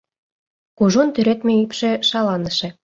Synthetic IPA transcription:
kuʒont̪yɾet̪meypʃĕʃɑlɑnə̆ʃĕ

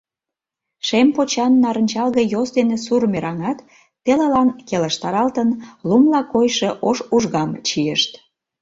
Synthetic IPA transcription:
ʃempot͡ɕɑnːɑɾənʲt͡ɕɑlɣəjosd̪enesurmeɾɑŋɑt̪ | pelɑlɑnkelə̆ʃt̪ɑɾɑlt̪ənlumlɑkojʃeʔoʃuʒɣɑmt͡ɕijəʃt̪

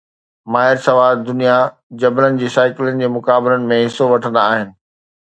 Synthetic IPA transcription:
maːɦɪɾsɐʋaːɾd̪ʊnija | d͡ʑɐblənɪ̆d͡ʑeːsaːɪkɪlənɪ̆d͡ʑeːmʊkaːbɪlənɪ̆mẽɦɪsːoʋɐʈʰə̃nd̪aːɦɪnɪ̆

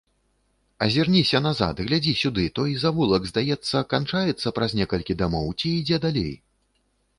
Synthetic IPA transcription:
ɐzʲirnʲisʲɐnaza̰t̪ɣlʲad͡zʲisʲud̪ɨt̪ɔjizavulˠɐɡzd̪ajɛt̪sːɐkant͡ʂajɛt̪sːɐpɾɐznʲɛkɐlʲkʲid̪amɔwt͡sʲiːd͡zʲɛd̪alʲḛj

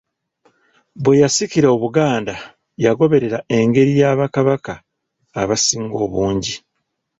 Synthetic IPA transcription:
βwe̞jasiciɾaoβuɡaːnda | jaɡo̞βe̞ɾe̞ɾae̞ŋɡe̞ɾijaːβakaβakaː | βasiːŋɡo̞ːβuːɲɟi

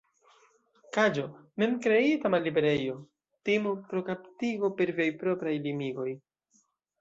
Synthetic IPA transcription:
kad͡ʒo̞memkɾe̞itamalːibe̞ɾe̞jo̞ | timupɾo̞kaptiɡo̞pe̞ɾviajpɾo̞pɾajlimiɡo̞j

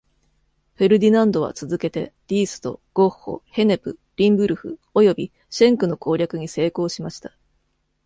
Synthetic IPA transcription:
ɸe̞ɾɯ̟d̪ʲinãnd̪o̞β̞a̰t͡sɨzɨke̞t̪e̞̰d̥̪ʲiːsɨ̥t̪o̞̰ɡ̥o̞hːo̰he̞ne̞pɯ̟ɾʲĩmbɯ̟ɾɯ̟ɸɯ̟̰o̞jo̞bʲi | ɕẽ̞ŋkɯ̟no̞ko̞ːɾʲjakɯ̟ɲ̟ise̞ːko̞ːɕimaɕi̥t̪ḁ

